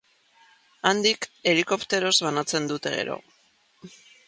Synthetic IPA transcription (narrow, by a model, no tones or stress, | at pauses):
and̪ike̞liko̞pt̪e̞ɾo̞zβanat͡se̞nd̪ut̪e̞ɣe̞̰ɾo̞̰